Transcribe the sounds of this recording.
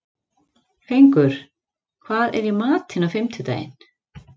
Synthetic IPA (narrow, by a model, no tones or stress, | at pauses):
fejŋkʏɾ̥ | kʰvaːðɛ̰ɾjɛmaːt̪ʰhɪnafɪmt̪ʰʏt̪a̰ːjɪ̰n